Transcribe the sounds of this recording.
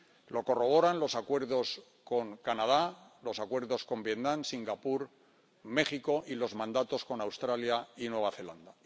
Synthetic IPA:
lo̞ko̞ro̞β̞o̞ɾanlo̞sakwe̞ɾðo̞s | ko̞ŋkanað̞alo̞sakwe̞ɾðo̞sko̞mbje̞t̪nãnsiŋɡapuɾ | me̞χiko̞ʔilo̞zmãnd̪at̪o̞sko̞nawst̪ɾaljainwe̞β̞aθe̞land̪a

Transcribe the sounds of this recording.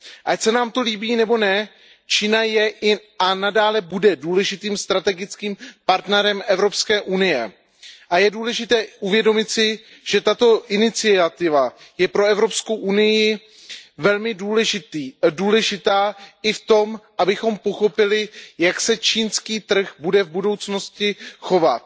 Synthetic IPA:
ʔacsɛnaːmt̪o̞liːbiːnɛbo̞nɛ | t͡ʃiːnajɛʔɪʔanadaːlɛbudɛduːlɛʒɪt̪iːmst̪ɾat̪ɛɡɪt͡skiːmpaɾt̪nɛɾɛmʔɛvɾo̞pskɛːʔunɪjɛ | ʔajɛduːlɛʒɪt̪ɛːʔuvjɛdo̞mɪt̪sɪ | ʒ̥ɛt̪at̪o̞ʔɪnɪt͡sɪat̪ɪvajɛpɾo̞ɛvɾo̞psko̞wʔunɪjɪ | vɛlmɪduːlɛʒɪt̪iːduːlɛʒɪt̪aːʔɪft̪o̞mʔabɪxo̞mpo̞xo̞pɪlɪjaksɛt͡ʃiːnskiːt̪r̩xbudɛvbudo̞wt͡sno̞scɪxo̞va̰t̪̚

